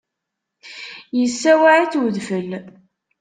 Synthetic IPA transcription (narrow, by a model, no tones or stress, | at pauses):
jəsːæwaʕiθwəðfəl